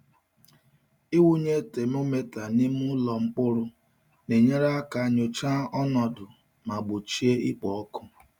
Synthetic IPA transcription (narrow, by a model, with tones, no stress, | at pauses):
i˦wu˦ɲe˦te˨m˦o˦me˦ta˨nɪ˦m˦ʊ˦lɔ˨ŋ͡m̩˦k͡pʊ˦ɾʊ˦ | ne˨ɲe˦ɾa˦a˦ka˨˦ɲo˨t͡ʃa˦ɔ˦nɔ˨dʊ˨ | ma˨ɡ͡bʊ˨t͡ʃi˦e˦i˦k͡pɔ˨ɔ˦kʊ˦